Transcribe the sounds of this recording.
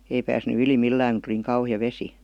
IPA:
ei pæːsny yli milːæːŋ ku tuli niːŋ kɑuhiɑ ʋesi

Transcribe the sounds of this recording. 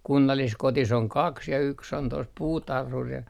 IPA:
kunːɑlːiskotis oŋ kɑks jɑ yks on tos puːtɑrhur jɑ

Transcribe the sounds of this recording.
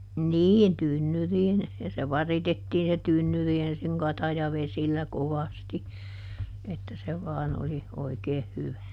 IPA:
niːn tynːyriːn jɑ se ʋɑritetːiːn se tynːyri ensiŋ kɑtɑjɑʋesilːæ koʋɑsti etːæ se ʋɑːn oli oikeːh hyʋæ

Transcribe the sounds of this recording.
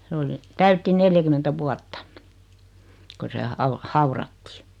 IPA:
se oli tæytːi neljækymentæ ʋuɑtːɑ ko se ɑu hɑurɑtːi̥ː

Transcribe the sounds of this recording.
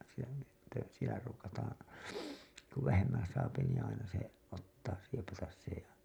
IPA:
sielæ sitːe sielæ ruːkɑtɑːɑ̃ ku ʋæhemːæ̃ː sɑːpi niː ɑinɑ se otːɑː siepɑtɑs se jɑ

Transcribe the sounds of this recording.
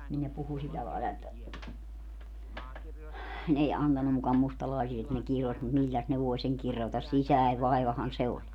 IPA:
nin ne puhu silːæ lɑilɑ etːæ n ei ɑntɑnːu mukɑ mustɑlɑisi et ne kiros mut milːæs ne ʋoe seŋ kirotɑs sisæe ʋɑiʋɑhɑn se olʲ

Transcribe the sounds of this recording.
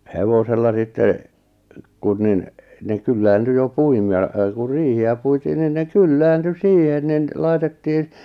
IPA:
heʋoselːɑ sitːe kun nin ne kylːæːnty jo puim jɑ ku riːhiæ puitiːn nin ne kylːæːnty siːhen nin lɑitetːiːn

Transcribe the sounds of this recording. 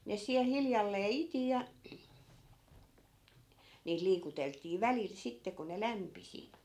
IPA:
ne siæl hiljɑlːeː iti jɑ niːt liːkuteltˑiː ʋælil sitːe ko ne læmpisi

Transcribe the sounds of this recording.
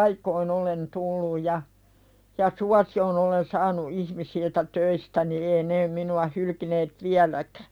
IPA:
ɑikoin olen tulːuj jɑ jɑ suɑsijon olen sɑːnu ihmisiltæ tøistæni eː neː minuɑ hylkineːt ʋiælækæ̥

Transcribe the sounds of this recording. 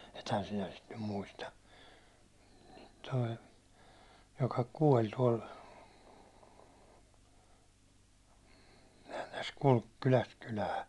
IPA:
ethæn sinæ sit nym muistɑ toi jokɑ kuɒl tuɒl sehæn̞ tæs kulk kylæst kylæː

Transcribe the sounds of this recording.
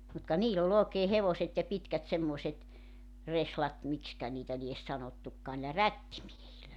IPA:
mut kɑ niːl ol oːkeː heʋoset jɑ pitkæt semːoĕset reslɑt mikskæ niːtæ lies sɑnotːukːɑː niːlæ rætːimiehilːæ

